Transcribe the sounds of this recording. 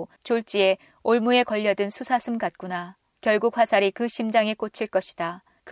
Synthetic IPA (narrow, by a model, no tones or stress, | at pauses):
t͡ɕoɭt͡ɕ͈ie̞ | oɭmue̞kʌʎːʌdɯnsʰusʰasʰɯmkat̚k͈una | kjʌɭɡuk̚ɸwasʰaɾikɯɕʰimd͡ʑaŋe̞k͈ot͡ɕʰiɭk͈ʌɕʰi̥d̥a | k